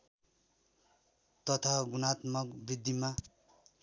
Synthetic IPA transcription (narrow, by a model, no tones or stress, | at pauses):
t̪ʌt̪ʰaɡunat̪mʌkbid̪ːima